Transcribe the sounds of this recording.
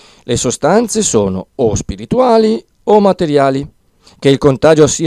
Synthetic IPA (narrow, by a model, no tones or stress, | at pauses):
lesost̪ant̪sesoːno̰ospiɾit̪uaːli | omːat̪eɾjaːli | k̟eilkont̪aːd͡ʒosiː